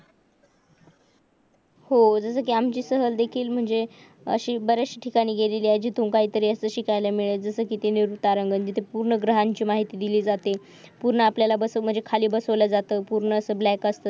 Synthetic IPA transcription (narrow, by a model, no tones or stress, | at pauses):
hod͡zəsəːkiːamt͡ɕiːsəɦəld̪ekʰiːlm̤əɳd͡ze | ə̰ɕiːbəɾaɕi̥ʈʰikaɽ̃iːɡeleliːəd͡ʑiːt̪uːmkaɦiːt̪əɾiːəst̪əɕikajlamiɭed͡zəsəːkit̪eniɾut̪aɾəŋɡənd͡ʑit̪ʰepuɾɳəɡɾəɦaɲt͡ɕiːmaɦit̪iːd̪iliːd͡zat̪e | puɾɳəapljalabəsəm̤əɳd͡zekʰaliːbəsəʋlad͡zat̪əːpuɾɳəːsəːblækəst̪əː